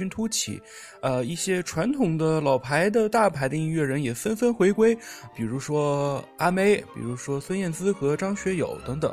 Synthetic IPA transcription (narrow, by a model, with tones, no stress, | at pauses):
y˥nt̪ʰu˥t͡ɕʰḭ˨˩˦ | ə˧i˥˩ɕjɛ˥ʈ͡ʂʰwa˧˥nt̪ʰʊ˨˩ŋd̪ə˧lɑ˨˩ʊpʰa˧˥ɪd̪ə˧t̪a˥˩pʰa˧˥ɪd̪ə˧i˥nɥɛ˥˩ɻə˧˥njɛ˨˩fə˥nfə˥nxwe˧˥ɪkwe˥ɪpi˨˩ɻu˧˥ʂwɔ˥a˥me˥˩ɪpḭ˨˩ɻu˧˥ʂwɔ˥swa˥njɛ˥˩nt͡sɹ̩˥xɤ˧˥ʈ͡ʂɑ˥ŋɕɥɛ˧˥jo̰˨˩˦ʊt̪ɤ˧˥ŋt̪ɤ˨˩˦ŋ